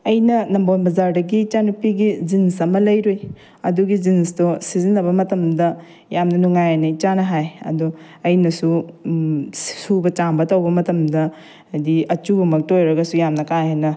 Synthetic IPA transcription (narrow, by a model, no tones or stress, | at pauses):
ɐjnɐnɐmbonbɐzaɾdɐɡit͡ʃanupiɡizinsɐmɐlɐjɾoj | ɐduɡizinstosizinɐbɐmɐtɐmdɐ | jamnɐnuŋajanɐit͡ʃanɐɦajɐ̰du | ɐjnɐsu | subɐt͡ʃaŋbɐtɐwbɐmɐtɐmdɐ | diɐt͡ʃubɐmɐk̚tojɾɐɡɐsujamnɐkajɦenɐ